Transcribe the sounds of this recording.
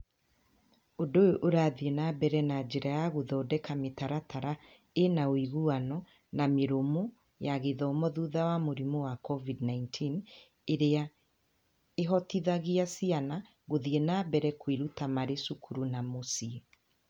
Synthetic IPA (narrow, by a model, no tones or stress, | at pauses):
odoʔoɾaðienabɛɾɛnad͡ʒeɾajaɣoðɔːdɛkametaɾataɾa | enaoiɣuanɔ | nameɾomo | jaɣeðɔmɔðuðawamoɾimowakɔvidnaintʰin | eɾea | eɦɔtiðaɣiasiana | ɣoðienabɛɾɛkwiɾutamaɾesukʰuɾunamosie